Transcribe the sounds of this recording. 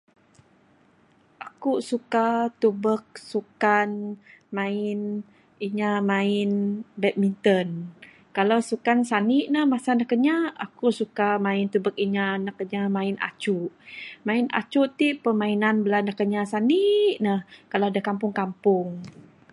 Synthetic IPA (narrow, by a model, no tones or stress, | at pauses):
ʔakusukat̪ubək̚sukanmaɪn | iɲamaɪnbɛt̪̚mint̪ən | kalawsukansaniʔnəhmasanahkəɲaakuʔsukamãɪnt̪ubək̚iɲanakəɲamaina̰t͡ʃuʔmaina̰t͡ʃuʔt̪iʔpəmainanbəlanəhkəɲasaniʔnəhkaladahkampʊŋkampʊŋ